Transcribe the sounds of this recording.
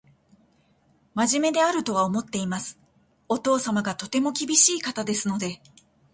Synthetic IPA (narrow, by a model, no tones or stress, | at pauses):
maʑime̞d̪e̞aɾɯ̟t̪o̞β̞ao̞mo̞t̪ːe̞imasɨ̥ | o̞t̪o̞ːsamaɡat̪o̞t̪e̞mo̞kʲibʲiɕiːkat̪ad̪e̞sɨno̞d̪e̞